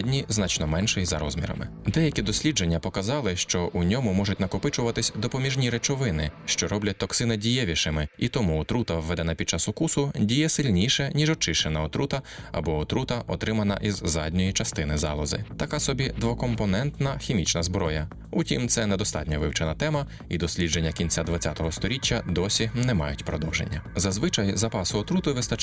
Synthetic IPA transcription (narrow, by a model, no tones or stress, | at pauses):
dʲnʲiznɑt͡ʃnɔmɛnʃɪjizɐ̰ɾɔzmʲḭɾɐ̰mɪ̰d̪ɛjɐkʲid̪ɔsʲlʲid͡ʒe̞nʲːɐpɔkɐzɑlˠɪʃt͡ʃɔʔunʲɔmʊmɔʒʊtʲnɐkɔpɪt͡ʃʊʋɐt̪ɪsʲd̪ɔpɔmʲiʒnʲiɾet͡ʃɔʋɪnɪʃt͡ʃɔɾɔblʲɐt̚ʲt̪ɔksɪnɪdʲijɛʋʲiʃɪmɪit̪ɔmut̪ɾut̪ɐwʋːɛd̪ɛnɐpʲid̪̥̚t͡ʃɑsʊkusʊdʲijɛsɪlʲnʲiʃɛnʲiʒɔt͡ʃɪʃt͡ʃenɐɔt̪ɾut̪ɐɐ̰bɔɔt̪ɾut̪ɐʔɔt̪ɾɪmɐnɐ̰ʔizzɑdʲnʲɔjit͡ʃɐst̪ɪnɪzɑlˠɔzɪ̰t̪ɐkasɔbʲid̪ʋɔkɔmpɔnɛnt̪nɐxʲimʲit͡ʃnɐzbɾɔjɐ | utʲimt̪sɛnɛd̪ɔst̪ɑ̰tʲnʲɔʋɪwt͡ʃɛnɐt̪ɛmɐ | id̪ɔsʲlʲid͡ʒenʲːɐkʲinʲt͡sʲad̪ʋɐt͡sʲːat̪ɔɦɔst̪ɔɾʲitʲːɐd̪ɔsʲinɛmɑ̰jʊtʲpɾɔd̪ɔwʒḛnʲːɐzɐzʋɪt͡ʃɐjzɐpɑsʊɔt̪ɾut̪ʊʋɪst̪ɐ